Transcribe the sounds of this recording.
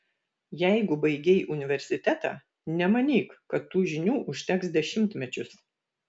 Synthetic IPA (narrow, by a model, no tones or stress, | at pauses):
jɛɪɡʊbɐɪɡʲɛɪʔʊnʲɪʋʲɛɾʲsʲɪt̪ʲɛt̪ɑ̰ː | nʲɛmɐnʲiːkkɐt̪ːuːʒʲɪnʲuːʔʊʃʲt̪ʲɛksd̪ʲɛʃʲɪmʲt̪ʲmʲɛt͡ʃʲʊs